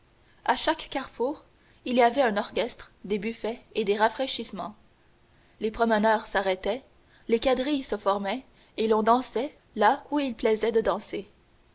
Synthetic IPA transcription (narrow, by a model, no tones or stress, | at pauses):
aʃakːaʁfuːʁ | iliavɛœ̃nɔʁkʲɛst̪χd̪ebyfɛed̪eʁafχɛʃismɑ̰̃ | lepχɔmənœːʁsaʁɛt̪ɛ | lekad̪ʁijsəfɔʁmɛ | elɔ̃d̪ɑ̃sɛ | lauilplɛzɛd̪əd̪ɑ̃se